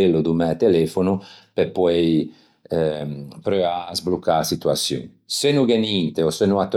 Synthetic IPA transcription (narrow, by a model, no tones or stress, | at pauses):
elːud̪umɛt̪elefonupepwej | pɾøazblukːaɾsit̪uasjṵːnisenuɡenint̪eɔsenuat̪ː